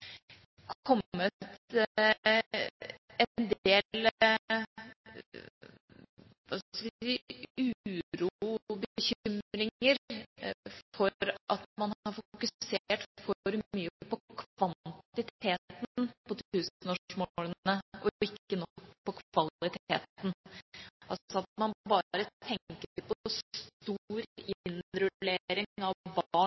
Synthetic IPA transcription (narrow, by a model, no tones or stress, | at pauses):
kʰɔmːət̪ | ɛd̪eːl | ʋɑskəʋsiːʉːʉːɾuuːbəçʏʏmɾɪŋəɾ | fɔɾʔɑt̪mɑnɑɾfʊkʉseːʈfɔɾmyːəəpɔkʰʋɑnt̪ɪt̪eːt̪nnpɔt̪ʉːsn̩oːmolənəʔɔɪkːənɔkːpʰɔkʰʋɑlɪt̪ʰḛːt̪n | ʔɑlsɔɑt̪̚mɑnbɑːɾət̪ʰɛŋkəəɾpɔɔst̪uɾɪɪnɾʉleːɾɪŋɑʋbɑːɳ